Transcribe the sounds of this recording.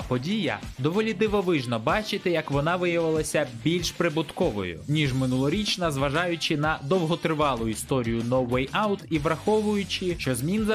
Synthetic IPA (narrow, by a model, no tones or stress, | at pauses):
pɔdʲijɐ̰d̪ɔʋɔlʲid̪ɪʋɔʋɪʒnɔbɑt͡ʃɪt̪ɪjɐkʋɔnɑʋɪjɐʋɪlˠɐsʲɐbʲilʲʃpɾɪbʊt̪kɔʋɔ̰jʊ̰nʲiʒmɪnulˠɔɾʲit͡ʃnɐzʋɐʒɑjʊt͡ʃɪnɐd̪ɔwɦɔt̪ɾɪʋɑlˠʊist̪ɔɾʲijʊnɔwːɛjawt̪iʋɾɐxɔʋʊjʊt͡ʃɪʃt͡ʃɔzmʲinzɐ